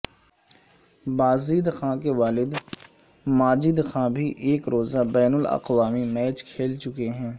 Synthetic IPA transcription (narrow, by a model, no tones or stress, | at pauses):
baːziːd̪xãːkeʋaːlɪd̪ | maːd͡ʒid̪xãːbʱiʔeːkɾoːzabɛːnəlɐ̰qʋaːmimɛːt͡ʃkʰeːlt͡ʃʊkeɦɛ̃ː